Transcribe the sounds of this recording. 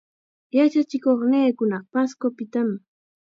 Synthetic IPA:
jat͡ʃat͡ʃɪkoχneːkʊnɑχpaskopɪt̪am

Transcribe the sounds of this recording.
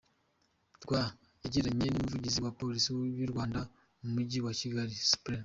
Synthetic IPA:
tɡwa | eɟiɾaɲenumuvuɟiziwapolisiwiɾɡwaːnda | mumuɟiwaciɡaɾispɾen

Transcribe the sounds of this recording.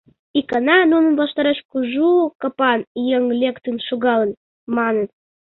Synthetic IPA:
ikɑnɑnonə̆nbɑʃt̪ɑɾɑt͡ɕkuʒukɑpɑnjəŋlʲekt̪ɨnʃoɣɑlən | mɑnən

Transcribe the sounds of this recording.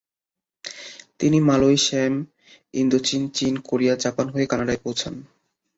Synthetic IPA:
t̪inimalojʃem | ind̪ot͡ɕint͡ɕinkoɾijad͡ʑapanɦoekanaɖaepowt͡ɕʰan

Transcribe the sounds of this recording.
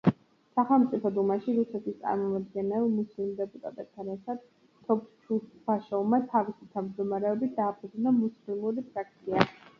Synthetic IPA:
saχɛlˠmt̪sʼipʰɔd̪umaʃiɾusɛt̪ʰist̪sʼa̰ɾmɔmad̪ɡɛnɛlˠmuslimd̪ɛpʼut̪ʼa̰t̪ʼɛt̪ʰanɛɾt̪ʰad̪̥ | t̪ʰɔpt͡ʃʰubaʃɔvmat̪ʰavisit̪ʰamd͡ʒd̪ɔmaɾɛɔbit̪̚ʰd̪aːpʰud̪znamuslimuɾipʰɾak̚ʰt̪sʰia

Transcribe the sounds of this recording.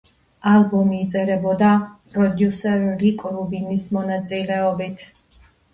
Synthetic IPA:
albɔmiːt̪sʼɛɾɛbɔd̪apʼɾɔd̪jusɛɾːikʼɾubinismɔnat̪sʼilɛɔbit̪ʰ

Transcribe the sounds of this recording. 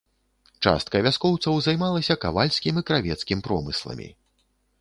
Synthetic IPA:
t͡ʂa̰st̪̚kɐvʲaskɔwt̪sɐwzajmalˠɐsʲɐkavalʲsʲkʲimikɾavʲɛt̪skʲimpɾɔmɨslˠɐ̰mʲḭ

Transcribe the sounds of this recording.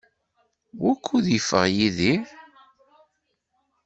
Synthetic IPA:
wækʰːuðjəfːə̰ʁjiði

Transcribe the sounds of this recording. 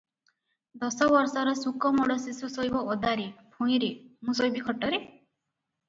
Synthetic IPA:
d̪ɔsɔbɔɾsɔɾɔsukɔmɔɽɔsisusojbɔʔɔd̪aɾipʰũj̃ɾimũsojbikʰɔʈːɔɾe

